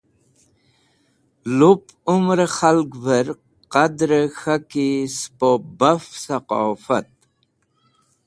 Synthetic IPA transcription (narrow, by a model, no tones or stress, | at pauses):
lup | umɾxalɡvəɾ | qad̪ɾəxakispobafsaqɑ̰ːfat̪̚